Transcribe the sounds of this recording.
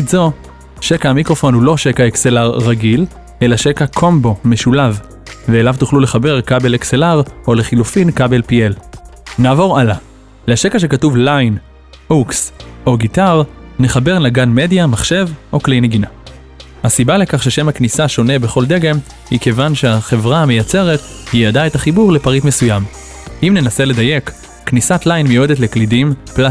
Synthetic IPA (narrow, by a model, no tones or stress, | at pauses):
zo̞ | ʃe̞kaamikʁo̞fo̞nhulo̞ʃe̞kaekselaʁːaɡil | e̞laʃe̞kakʰo̞mbo̞me̞ʃulav | veːlavtuχlule̞χabe̞ʁkabe̞lekselaʁʔo̞le̞χilufinkabe̞lpielnaːvo̞ʁala | leaʃekaʃ̬e̞katuvlajn | ukso̞ɡitaʁne̞χabe̞ʁlaɡanmedjamaχʃe̞vʔo̞klejne̞ɡina | hasibale̞kaχʃeʃe̞maknisaʃo̞ne̞be̞χo̞ld̪e̞ɡe̞m | hike̞vanʃeaχe̞vʁaamejat͡se̞ʁet | hijadaetaχibuʁle̞paʁitmesujam | ʔimne̞nasele̞daje̞kː | nisatlajnmejuedetle̞klidimpla